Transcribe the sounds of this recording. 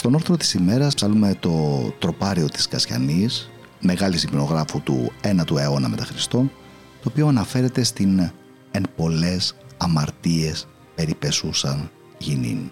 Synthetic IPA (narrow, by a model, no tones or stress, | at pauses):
st̪o̞no̞ɾθɾo̞t̪i̥sime̞ɾɐspsɐlume̞t̪o̞t̪ɾo̞pɐɾio̞t̪i̥skɐsçɐ̰nis | me̞ɣɐlisimino̞ɣɾɐfut̪ṵe̞nɐt̪ueo̞nɐme̞t̪ɐxɾist̪o̞n | t̪o̞ːpio̞ɐnɐfe̞ɾe̞t̪e̞st̪in | e̞mpo̞le̞sɐmɐɾt̪ie̞s | pe̞ɾipe̞susɐn | ʝinḭn